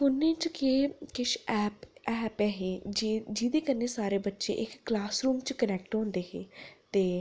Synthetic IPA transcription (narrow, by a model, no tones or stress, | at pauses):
ʊnːẽːt͡ʃkeːkɪʃɛːpɛːpɛːɦeːd͡ʒiːd̪eːkəneːsaːɾeːbətːʃḛːʔɪkːlaːsɾuːmt͡ʃkənɛːk̚ʈɦõːnd̪eːɦeːt̪eː